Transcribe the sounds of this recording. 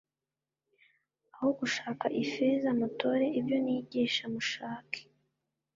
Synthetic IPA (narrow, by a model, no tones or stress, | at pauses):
ahoɡuʃaːkaʔifezamato̞ɾe̞ibjo̞niɟiːʃamuʃaːkʰe̥